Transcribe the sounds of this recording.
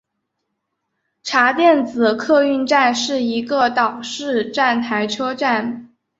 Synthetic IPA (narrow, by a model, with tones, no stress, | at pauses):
ʈ͡ʂʰa˧˥t̪jɛ˥˩nt͡sɹ̩˨˩kʰɤ˥˧y˥˧nʈ͡ʂa˥˧nʂɻ̩˥˩i˧˥ɡə˧t̪ɑ˨˩ʊʂɻ̩˥˧ʈ͡ʂa˥˩nt̪ʰa˧˥ɪʈ͡ʂʰɤ˥ʈ͡ʂa˥˩n